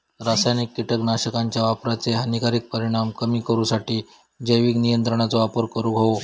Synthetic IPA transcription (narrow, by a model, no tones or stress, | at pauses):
ɾasajnikːiʈəknaɕəkaɲt͡ɕjaʋapɾat͡seɦənikaɾiːk̚pəɾiɽ̃amkəmiːkəɾuːsaʈiː | d͡ʑəjʋiːknijənt̪ɾəɳ̃at͡soʋapəɾkəɾuɡʱao